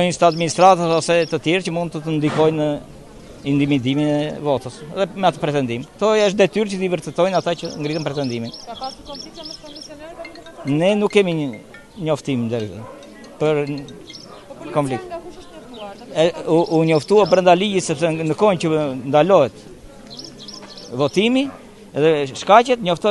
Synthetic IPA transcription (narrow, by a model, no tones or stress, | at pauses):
ɔɲəst̪aad̪minist̪ɾat̪aɔsɛt̪ət̪jɛɾt͡ʃəmund̪̚t̪ət̪ənd̪ikɔjnə | ind̪imid̪iminɛvɔt̪əsɛ̰ðɛmɛat̪ɔpɾɛt̪ɛnd̪imt̪ɔəʃtd̪ɛt̪yɾt͡ʃəd̪ivəɾt̪ɛt̪ɔjnat̪acəŋɡɾit̪ənpɾɛt̪ɛnd̪imin | nɛnukːɛmi | ɲɔft̪imnd̪ɛɾðə̰ | pəɾ | kɔɱflik̚t̪ | ɛuuɲɔft̪uapɾənd̪aliɟisɛpsɛnəkɔnt͡ɕənd̪alɔɦɛt̪ | vɔt̪imi | ɛðɛʃkacɛt̪ɲɔft̪ɔ